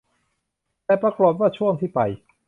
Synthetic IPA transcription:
t̪ɛː˨˩pɾa˧klo˨˩p̚waː˥˩t͡ɕʰu˥˩əŋt̪ʰiː˥˩pa˧j

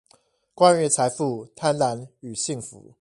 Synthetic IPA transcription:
kwa˦nɥɛ˥˨t͡sʰa˧˦ɪfu˥˨t̪ʰa˦˥nla˧˦ny˨˩ɕi˥˨ŋfṵ˨˦

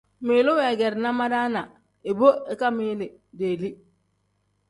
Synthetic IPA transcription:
miː˨lu˦wɛ˨ɡɛ˨ɾna˦ma˦da˦na˨ | i˨bo˦e˨ka˦mi˦li˨ | de˨li˦

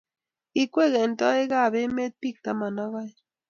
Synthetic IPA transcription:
i˦kʷe˦˨ɣe˨n̩˨tɔ˦e˦ɣa˦˨be˦me˦t̚pi˦˨k̚ta˨ma˨na˦ɣa˦j

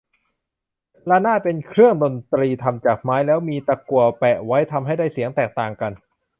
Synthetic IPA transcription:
la˦˥˩naː˥˩pe˧nkʰɾɯ˥˩əŋdo˧nt̪ɾiː˧t̪ʰa˧mt͡ɕaː˨˩k̚maː˦˥jlɛː˦˥wmiː˧t̪a˧ku˨˩ɐpɛ˨˩ʔwa˦˥jt̪ʰa˧mɦa˥˩jda˥˩jsi˨˩˦əŋt̪ɛː˨˩k̚t̪aː˨˩ŋka˧n

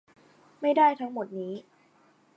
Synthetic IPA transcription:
ma˥˩jdaː˥˩jt̪ʰa˦˥ŋmo˨˩t̪̚niː˦˥

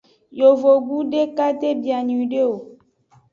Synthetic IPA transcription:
jo˨vo˨ɡu˦ɖe˦ka˦t̪e˦bi˨a˨ɲũ˨ɖe˦o˨

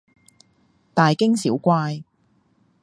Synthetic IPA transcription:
t̪aː˨jkɪ˥ŋsiː˨˥wkʷaː˧j

